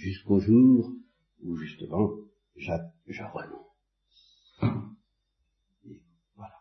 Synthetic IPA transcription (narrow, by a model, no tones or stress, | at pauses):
ʒyskoʒuːʁ | uʒyst̪əmɑ̃ | ʒaʒəʁənɔ̃ | vwala